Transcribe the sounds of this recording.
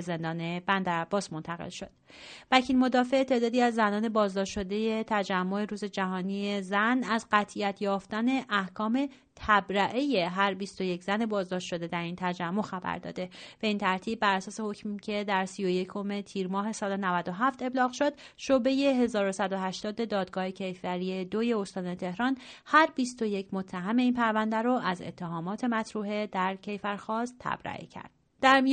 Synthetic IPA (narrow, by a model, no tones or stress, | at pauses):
ze̞nd̪ɒːnebænd̪æɾæb̥ːɒːsmo̞nt̪ʰæɣḛlʃo̞d̪̥ | væcʰiːlmo̞d̪ɒːfe̞ʔet̪ʰe̞ːd̪ɒːd̪iːæzːænɒːne̞bɒːzd̪ɒːʃʃo̞d̪e̞je̞t̪ʰæd͡ʒæmːo̞e̞ɾuːze̞d͡ʒæɦɒːniezænæzɢæt̪ʰʔiæt̪ʰjɒːft̪æne̞ʔæhkʰɒːme̞ | t̪ʰæbɾæʔeje̞ɦæɾbist̪o̞je̞cʰzæne̞bɒːzd̪ɒːʃt̪ʃo̞d̪e̞d̪æɾiːnt̪ʰæd͡ʒæmːo̞xæbæ̰ɾd̪ɒ̰ːd̪e̞b̥e̞iːnt̪ʰæɾt̪ʰiːb̚ːæɾæsɒːse̞hocmicʰe̞d̪æɾsijoje̞cʰo̞me̞t̪ʰiːɾmɒːɦe̞sɒːlenævæd̪o̞ɦæft̪e̞blɒːɣʃod̪̥ʃoːbe̞je̞ɦe̞zɒːɾosæd̪o̞ɦæʃt̪ɒːd̪e̞d̪ɒːd̪̚ɡɒːhe̞cʰe̞jfvæɾie̞d̪oje̞o̞st̪ɒːne̞t̪ʰe̞hɾɒːnhæɾbist̪oje̞cʰmo̞t̪ʰːæɦæme̞iːnpʰæɾvænd̪æɾoʔæze̞̰t̪ʰːeɦɒːmɒːt̪ʰe̞mæt̪ʰɾuːɦe̞d̪æɾcʰe̞jfæɾxɒːst̪ʰːæ̰b̥ɾæ̰ʔḛcʰæ̰ɾd̪̥ | d̪̥æɾmi